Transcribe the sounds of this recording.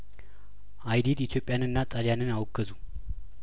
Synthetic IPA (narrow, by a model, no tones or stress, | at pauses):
ʔajd̪id̪it̪ʰjo̞pʼjanɨnːat̪ʼaljanɨnawɔɡəzu